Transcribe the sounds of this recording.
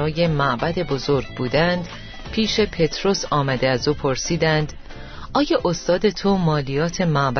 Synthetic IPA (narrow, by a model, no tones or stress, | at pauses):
ɒːje̞mæʔbæd̪e̞bo̞zo̞ɾɡ̚buːd̪ænd̪ | pʰiːʃe̞pʰe̞t̪ʰɾo̞sɒːmæd̪e̞æzuːpʰo̞ɾsiːd̪ænd̪ | ɒːjɒːʔost̪ɒːd̪e̞t̪ʰomɒːlijɒːt̪ʰe̞mæʔb